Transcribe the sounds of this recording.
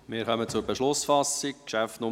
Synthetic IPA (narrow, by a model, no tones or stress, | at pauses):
mɪːɾχœmət͡sʊɾbeʃlʊsfɑsɪkkʃæftnʊ